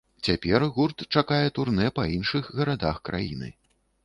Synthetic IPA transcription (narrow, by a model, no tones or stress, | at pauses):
t͡sʲapʲɛrɣurt̪t͡ʂakajɛt̪urnɛpɐinʂɨxɣɐɾad̪axkɾa̰jḭnɨ̰